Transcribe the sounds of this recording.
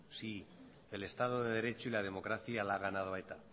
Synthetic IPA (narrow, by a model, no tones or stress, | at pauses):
si | ele̞st̪að̞oðeðe̞ɾe̞t͡ʃoilað̞e̞mo̞kɾaθjalaɣ̞anaðoaet̪a